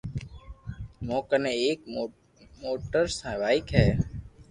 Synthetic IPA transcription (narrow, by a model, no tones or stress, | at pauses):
mõːkənẽːeːk | moːʈəɾsãːʋaːikɦɛː